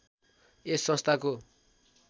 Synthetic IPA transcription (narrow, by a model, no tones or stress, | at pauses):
esːʌst̪ʰako